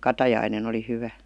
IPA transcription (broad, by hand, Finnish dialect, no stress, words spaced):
kɑtɑjɑinen oli hyʋæ